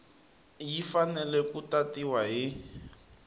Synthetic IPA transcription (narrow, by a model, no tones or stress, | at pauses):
jifanɛlɛkutatiwaɦi